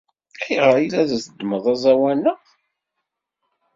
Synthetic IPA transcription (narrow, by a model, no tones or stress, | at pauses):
iʁəɾˤilæðæθəd̪məðˤæzˤæwænə